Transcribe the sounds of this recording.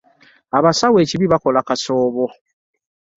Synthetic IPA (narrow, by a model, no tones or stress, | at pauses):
aβasawe̞ːciβiβako̞lakaso̞ːβo